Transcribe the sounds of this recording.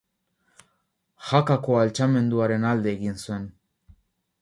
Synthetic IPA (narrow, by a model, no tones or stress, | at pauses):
xakako̞alt͡ʃame̞nd̪uaɾe̞nald̪e̞ːɣinsue̞n